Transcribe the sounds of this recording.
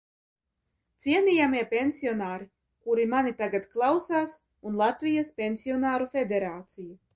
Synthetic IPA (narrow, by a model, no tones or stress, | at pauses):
t̪siɛnijamiɛpʲensʲiɔnaːɾi | kuɾimanit̪aɡat̪klˠawsaːs | unlˠat̪vijaspʲensʲiɔnaːɾufʲed̪eɾaːt̪siju